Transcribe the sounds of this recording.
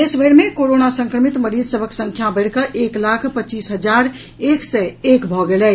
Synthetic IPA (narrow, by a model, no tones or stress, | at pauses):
esbʱəɾmekoɾonasə̃ŋkɾəmit̪məɾid͡ʒsəbʱəksə̃ŋkʰjabəɪɽkəʔeklakʰpətːt͡ʃiːsɦəd͡ʒaɾ | eksɛekbʱɔɡelɛ